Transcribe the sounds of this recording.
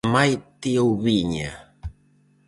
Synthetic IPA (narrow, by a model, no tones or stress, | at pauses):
majt̪iouβiɲa̰